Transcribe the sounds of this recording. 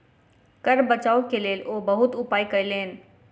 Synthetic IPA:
kɐɾbɐt͡ɕaːokʰeleːlʔoːbɐɦʊt̪ʊpaːikɐileːɪnɪ̆

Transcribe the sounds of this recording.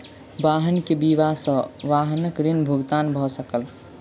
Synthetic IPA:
baɦənkebiʋasə̃ʋaɦnəkɾinbʱuɡt̪anbʱɔsəkəl

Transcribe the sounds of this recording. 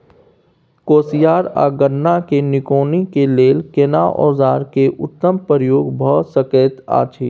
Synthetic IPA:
koːsijaːɾa̰ːɡəɾnakenɪkoːnikeleːlkeːnaʔɔ̰ːzaːɾkeʔʊt̪ːəmpəɾjoːɡbʱəsəkeːt̪a̰ːt͡ʃʰiː

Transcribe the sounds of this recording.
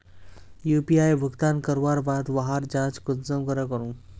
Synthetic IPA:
juːpiaːjbʱʊɡt̪aːnkɐɾʋaːɾbaːd̪ʋaɦaɾd͡ʒãːt͡ʃkʊnsɐ̃kɐɾɐkɐɾũː

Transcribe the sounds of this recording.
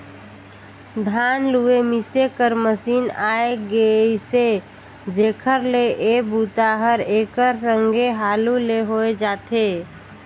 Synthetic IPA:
d̪ʱanluemisekəɾməsinaeɡese | d͡ʒekʰəɾleʔebut̪aɦəɾekəɾs̬əŋɡʱeɦaluleɦoed͡ʒat̪e

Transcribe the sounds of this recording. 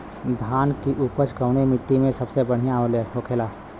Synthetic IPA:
d̪ʱaːnkiʔuːpət͡ʃkəʊnemɪt̪ːimẽsɐbsebəɽ̤ijãoleɦoːkʰeːlaː

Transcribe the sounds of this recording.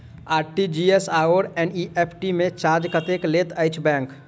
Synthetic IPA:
aːɾʈid͡ʒiesaoɾɛniepʰʈimẽt͡ʃaɾd͡ʒkət̪eklet̪əɪt͡ʃʰbɛ̃ŋk

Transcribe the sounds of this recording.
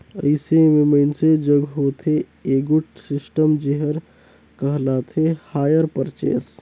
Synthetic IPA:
əɪsememəɪnsed͡ʒəɡɦot̪ʰe | eɡuʈsisʈəmd͡ʒeɦəɾ | kəɦlat̪ʰehajəɾpəɾt͡ʃḛs

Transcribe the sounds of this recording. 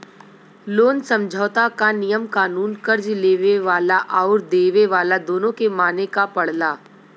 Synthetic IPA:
loːnsɐ̃md͡ʒʱəʋt̪akanɪjəmkaːnuːnkɐɾd͡ʒleːʋeʋaːlaʔaːɾd̪eːʋeʋaːlad̪oːnõkemaːnekapɐɽ̤laː

